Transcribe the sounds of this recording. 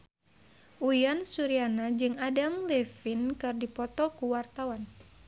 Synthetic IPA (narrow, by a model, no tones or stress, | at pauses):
ujansuɾianad͡ʒɨŋadamlɛfinkɨrdipɔt̪ɔkuwart̪awan